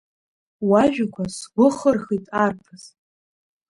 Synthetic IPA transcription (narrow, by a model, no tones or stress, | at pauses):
waʒᶣakʷʰasɡʷʊχərχitʼarpʰɨz̥